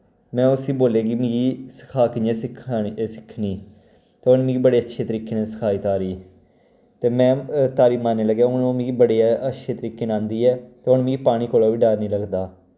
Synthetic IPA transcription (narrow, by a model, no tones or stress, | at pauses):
mɛ̃ːʊsiːboːleːɡimĩɡiːsə̥kʰaːkɪnẽːsɪkʰːsɪkʰːniː | t̪eʊnmĩːɡibəɽeːətːʃʰeːt̪əɾiːkeːnɛ̃ːsə̥kʰaːiːt̪aːɾiː | t̪eːmɛ̃ːt̪aːɾiːmaːnːeːləɡjaːʊnmĩːɡibəɽeːaʔətːʃʰeːt̪əɾiːkːeːnãːnd̪iːɛːt̪eʊnmĩːɡiːpaːɽ̃iːkoːlaːʋiːɖaːɾnĩːləɡd̪aː